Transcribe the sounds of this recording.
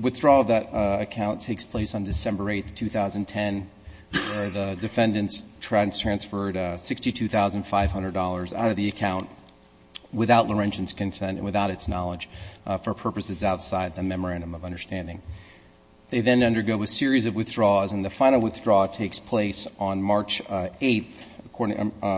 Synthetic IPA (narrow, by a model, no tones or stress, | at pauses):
wɨθdɹɔʌvðɨɾɨkʰãʊ̃ntʰeɪkspʰl̥eɪsn̩dɨsɛ̃mbə˞eɪt̪θtʰʉθaʊz̃n̩tʰɛ̃n | wə˞ðədɨfɛ̃ndɨ̃ntstʰɹ̥ætʰɹ̥æ̃nsfə˞dsɪkstitʰʉθaʊzɨ̃n̩d̥faɪv̥hʌ̃ndɹədɔlˠə˞za̰ʊɾʌvðiɨkʰãʊ̃nʔ | wɨθaʊʔˡlə˞ɛ̃nt͡ʃɨ̃n̩z̥kɨ̃nsɛ̃ntnwɨθaʊɾɨtsnɑlˠə̥ʒ̥fə˞pʰɜ˞pɨsɨzaʊtsaɪd̪̚ðɨmɛmə˞æ̃ndɨ̃mʌvʌ̃ndə˞stæ̃ndɪ̃ŋ | ðeɪðɨ̃nʌ̃ndə˞ɡoʊɨsɪɹizʌvwɨθdɹɔzɨ̃nðɨfãɪ̃nl̩ˠwɨθdɹɔtʰeɪkspʰl̥eɪsn̩mɑɹt͡ʃeɪθəkʰɔɹɾɪ̃